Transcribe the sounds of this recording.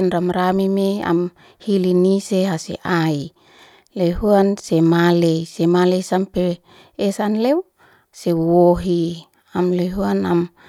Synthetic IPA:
nɾamɾamimea̰m | hiliniseɦasḛʔai | leɦuansemalejsemalejsampeː | sanlew | sewoɦi | amleɦuanam

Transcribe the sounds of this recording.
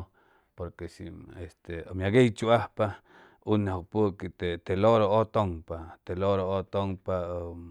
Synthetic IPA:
poɾkesiest̪eomjaɡejt͡ʃuʔahpa | unːehok̚pukit̪et̪eloɾoot̪oŋpat̪eloɾoot̪oŋpao

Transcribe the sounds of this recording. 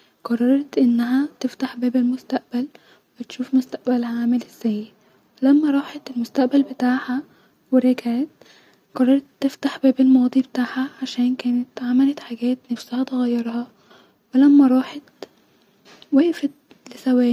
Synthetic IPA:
qɑrˤːɑɾˤɑt̪ʔenːæɦæt̪eft̪aħbæːbelmost̪æʔbæl | wwet̪ʃuːfmost̪æʔbælhæʕaːmelez̥ːæjːe | welæmːæɾˤɑːħɑt̪elmost̪æʔbælbet̪aːʕhæ | weɾeɡʕeːt̪ | qɑrˤːɑɾˤt̪ːeft̪aħbæːbelmɑːd̪ˤibet̪aːʕhæʕaʃæːnkæːnet̪ʕamælæt̪ħaɡæːt̪næfsæhæt̪eɣæjːɑɾˤhɑ | welæmːæɾˤɑːħɑt̪ | wæːʔfæt̪ | lesæwæː

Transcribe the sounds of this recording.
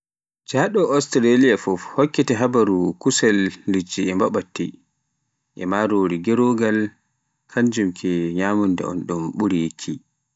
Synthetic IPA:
d͡ʒaɗɔʔɔstɾalijafɔfhokːitɛɦabaɾukusɛlːid͡ʒiɛmbaɓatːḭ | ʔɛmaɾoɾiɡɛɾoɡal | kʰaɲd͡ʒumkʰɛɲamundɛ̰ɔ̰nɗumɓuɾikʰi

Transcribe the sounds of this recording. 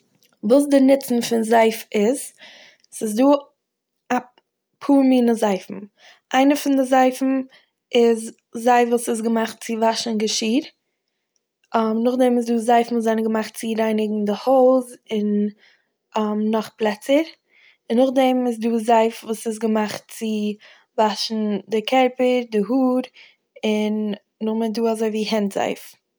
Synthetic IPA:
vuːs̬dɪnɪt͡sn̩fɪnzaɪfɪz̥ | sɪsduː | a | pʰuːɾmiːnəzaɪfm̩ | ʔaɪnəfɪndɪzaɪfm̩ | ɪz | zaɪfvuːsɪs̬ɡəmaχt̚t͡sɪvaʃnɡəʃiːɾ | mnʊχdɛmɪz̬duːzaɪfn̩uːzaɪnəɡəmaχtt͡sɪɾaɪnɪɡŋ̩dɪhɔlˠzɪn | anɔχplˠɛt͡səɾ | ɪnːʊχdɛmɪz̬duːzaɪfvuːsɪs̬ɡəmaχt̚t͡sɪ | vaʃn̩dɪkʰɛɾpəɾdɪɦuːɾ | ɪnː | ʊχmɪduːazoɪviːhɛntz̥a̰ɪf

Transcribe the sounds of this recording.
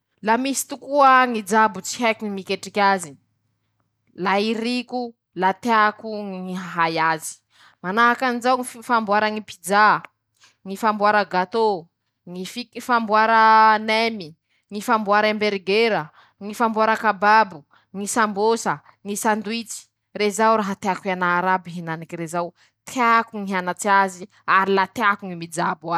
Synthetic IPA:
lamisi̥t̪ukuaŋid͡zabut͡si̥ɦɛkiŋimikeʈ͡ʂikʲazi | laiɾiku | lat̪eakuŋŋiɦaɦajazi̥ | manaɦakanizawŋifambwaɾəŋipid͡za | ŋifambwaɾəɡat̪o | ŋififambuaɾənɛmi | ŋifambuaɾembeɾɡeɾə | ŋifambuaɾəkababu | ŋisambosə | ŋisand̪uit͡si̥ | ɾezawɾaɦat̪eakwanaːɾabiɦenanikiɾezaw | t̪ʰeakuŋiɦanat͡siazi | aɾilat̪eakuŋimid͡zaba

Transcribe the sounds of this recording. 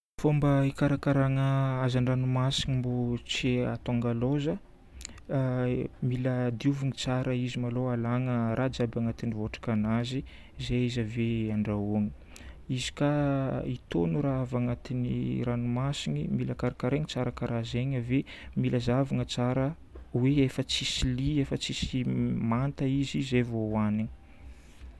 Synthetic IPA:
fombəikaɾakaɾaŋəazanranumasiɲimbot͡seat̪oaŋɡalozə | miləd̪iuvuŋit͡saɾəizimaloalaŋəɾʔad͡ʒabaŋat̪inivoʈ͡ʂḁkanazi | izeizaveaɳɖ͡ʐauaŋi̥ | izi̥kait̪onuɾaavaŋat̪iniranumasinimiləkaɾikaɾeŋit͡saɾəkaɾazeɲəvemiləzavaŋət͡saɾə | weefət͡sisiliefət͡sisimant̪əizizevowaniŋi̥

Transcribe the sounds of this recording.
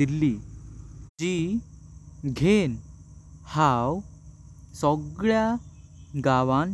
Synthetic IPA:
ilːi | d͡ʑi | ɡʱen | haw | sɔɡɭja | ɡaʋan

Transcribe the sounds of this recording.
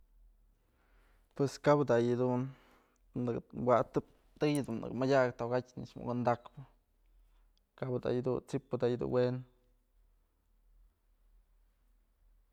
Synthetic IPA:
pweskabd̪ajɨd̪un | ɨkwaʔt̪ɨp̚ | t̪ɨjɨd̪unːɨ̰kmadʲaʔkt̪oɡatʲniʂmṵkɨnd̪akpɨ | kabd̪a̰jɨd̪unt͡sipːɨd̪aʔjɨd̪ṵnwen

